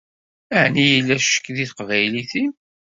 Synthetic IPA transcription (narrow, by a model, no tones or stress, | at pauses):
əʕnijəlːæʃə̥kːðiθqvæjliθim